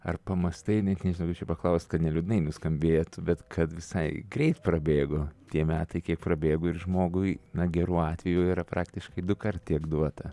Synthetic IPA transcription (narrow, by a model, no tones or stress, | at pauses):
ɐrpɐmɐst̪ɐɪnʲɛt̪nʲɛʒʲnɐʊkɐpt͡ʃʲɛpɐklˠɐʊst̪kɐt̪nʲɛlʲʊd̪ʲɪnɐɪnʊskɐmʲbʲeːjɛt̪ʊbʲɛt̪kʰɐt̪ʋʲɪsɐɪɡɾʲɛɪt̪prɐbʲeːɡoːt̪ʲiɛmʲæːt̪ɐɪkʲiɛk̚prɐbʲeːɡʊːɪrʒmoːɡʊɪnɐɡʲɛɾuːɑːt̪ʲʋʲɛjuiːɾɐpɾʔɑːkt̪ʲɪʃkɐɪd̪ʊkɐrt̪tʲiɛkd̪uɔt̪ɐ